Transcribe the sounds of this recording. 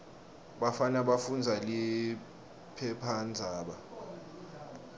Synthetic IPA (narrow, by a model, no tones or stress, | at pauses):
ɓafanaɓafund͡zʱali | pʰɛpʰand͡zʱaːɓa